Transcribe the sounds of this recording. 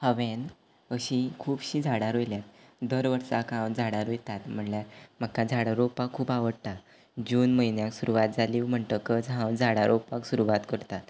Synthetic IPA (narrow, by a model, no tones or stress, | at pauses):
həʋɛ̃n | əɕĩkʰuːbɕiːd͡zʱaɽaɾojljat̪̚d̪əɾʋəɾsakãwd͡zʱaɽaɾojt̪at̪m̤əɳljam̤əkad͡zʱaɽaɾopakʰːuːpaʋəɽt̪a | d͡ʑuːnməinjãksuɾuʋat̪̚d͡zaliːʋm̤əɳt̪əkət͡sɦãwd͡zʱaɽaɾʔopaksuɾuʋat̪kəɾt̪at̪